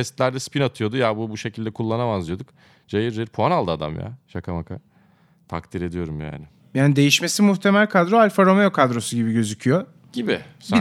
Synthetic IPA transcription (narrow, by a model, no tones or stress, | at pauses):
ɛst̪lʲæɾd̪ɛspinat̪ʰɯjo̞d̪ujabubuʃe̞cʰilʲd̪ɛkʰulˠːanamazlˠɯjo̞d̪uk | d͡ʒajiɾːiɾpʰuanalˠd̪ɯad̪a̰mja̰ʃakʰamakʰa̰ | t̪ʰa̰k̚t̪ʰiɾe̞d̪ijo̞ɾumja̰ːnɪ | jaːnid̪e̞jiʃme̞simuht̪ʰe̞mælʲkʰad̪ɾoalʲfaɾomejokʰad̪ɾo̞suɟibiɟø̞zycʰyjo | ɟibɪs